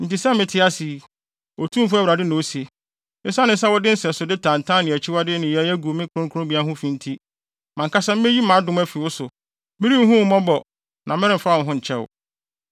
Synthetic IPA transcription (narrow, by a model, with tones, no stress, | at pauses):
n̩˨ti˨sɛ˦mɪ̃˨tʰɪ˦a˦si˨ | o˨tʰũ˦m˦fʊ˦æ˦wɾa˨dɪ˦nʊ̃˨wo˦se˨ | mɪ̃˦sã˦nɪ̃˨˦sɛ˦wɔ˦dɪ˦sɛ˨sʊ˨dɪ˦tʰã˨n̩˨tʰã˦nɪ̃˨æ˨t͡ɕʰɪ˦wa˦dɪ˦nɪ̃˨jɛ˦æ˦ɡu˨mɪ̃˦kʰʊ˨ɾʊ̃˦ŋkʰʊ˦ɾʊ̃˦bi˨˦a˦ɦʊ̃˦fĩ˨n̩˦tʰi˦ | mã˨ŋ˨kʰa˦sa˦m̩˦e˦ji˦mãː˨˦dʊ̃˨mæ˦fi˨wʊ˦sʊ˨ | mɪ̃˦ɾi˦m̩˦ɦʊ̃˦m˦mɔ̃˦bɔ˨ | nʔã˨mɪ̃˦ɾɪ̃˦m̩˨fa˦˨ɦʊ̃˦ɲ̩˨t͡ɕʰɛ˦wʊ̰˨